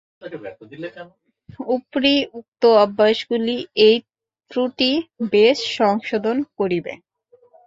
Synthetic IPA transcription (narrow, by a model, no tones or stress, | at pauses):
aɛt̪od̪ilekɛn | upɾiuk̚t̪oabːaʃɡuliej | t̪ɾuʈibeʃʃɔŋʃod̪ʱonkoɾibḛ